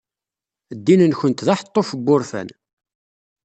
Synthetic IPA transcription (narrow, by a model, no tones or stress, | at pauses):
d̪ːinənçənt̪ðɑħə̥t̪ˤːofəbːʊɾfæ̰n